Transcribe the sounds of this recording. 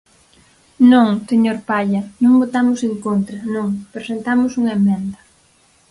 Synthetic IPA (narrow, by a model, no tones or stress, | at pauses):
nõŋseɲoɾpaʎɐnõŋbot̪amʊseŋkont̪ɾɐnõŋpɾesent̪amʊsuŋemẽnd̪ɐ